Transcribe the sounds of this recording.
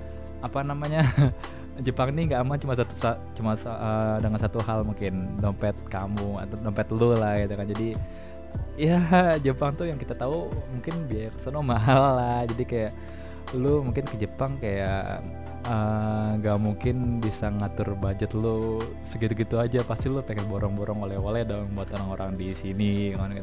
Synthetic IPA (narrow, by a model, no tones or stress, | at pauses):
apanamaɲa | d͡ʒəpaŋniŋɡaʔːmant͡ʃumas̬at̪u̥sa | t͡ʃumasədəŋansat̪uhalmuŋkɪndɔmpɛt̪̚kamua̰t̪adɔmpɛt̪lʊlahɡit̪ukand͡ʒadi | jad͡ʒəpaŋt̪ujaŋkit̪at̪aumuŋkɪnbiajakə̥sənomaɦallahd͡ʒadikajaʔ | lʊmuŋkɪnkəd͡ʒəpaŋkaja̰ʔ | əŋɡaʔmuŋkɪnbisaŋat̪ʊrbad͡ʒət̪lʊ | səɡit̪uɡit̪uad͡ʒapast̪ilʊpakɛnboɾɔŋboɾɔŋolɛholɛhdabuat̪oɾaŋoɾaŋdisiniŋank